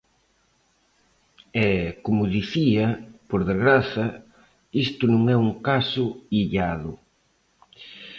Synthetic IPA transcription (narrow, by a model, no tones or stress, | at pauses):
ɛkomʊðiθiɐpoɾðezɣɾaθɐ | ist̪ʊnũŋɛuŋkasʊiʎaðʊ